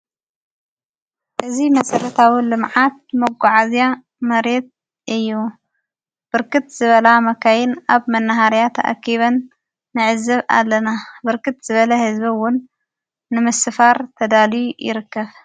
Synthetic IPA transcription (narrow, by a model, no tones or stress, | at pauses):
ʔɨzimɐsʼɐɾɐt̪ʰawilɨmʕat̪̚mɐɡʷuʕazija | mɐɾet̪̚ | ʔɨjːu | b̥ɨɾkɨt̪z̥ɨβɐlamɐkʰajɪnaβmɐnːaɦaɾjat̪ʰɐ̰ʔa̰kːiβɐnː | ɨʕɨzːɐβa̰lːɐnabɨɾkʰɨt̪z̥ɨβɐlɐhɨzbɐwʊnː | ɨmɨsɨfaɾt̪ʰɐd̪aljujɪ̰ɾɨkːɐβ